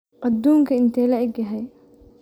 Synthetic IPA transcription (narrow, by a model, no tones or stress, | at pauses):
ʔɐd̪uːŋkʰɐɪnt̪ʰɛːlɐɪɡɐɦɛj